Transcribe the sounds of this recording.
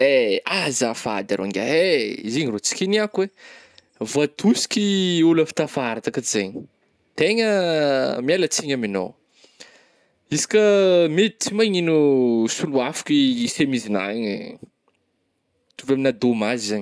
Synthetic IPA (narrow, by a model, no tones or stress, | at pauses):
eazafad̪aɾʔa̰ŋɡʲa̰eiziɲirot͡si̥kʲiniakuwe | vat̪usi̥kʲiuləfi̥t̪afaɾat̪akəzeɲi | t̪eɲə | mialat͡siɲamino̰w | isi̥kʲəmed̪it͡simaɲinusuluafḁkisemizina̰ɲḭ | t̪uvaminad̪omazizaɲ